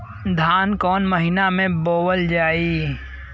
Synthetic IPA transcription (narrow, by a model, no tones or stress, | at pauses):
d̪ʱaːnkɔːnməɦɪnamẽboːwəld͡ʒaːi